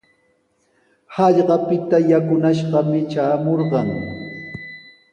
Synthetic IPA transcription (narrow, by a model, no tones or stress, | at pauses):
hɑʎɢɑpɪt̪ajakʊnaʃɢɑmɪt͡ʃaːmoɾɢɑŋ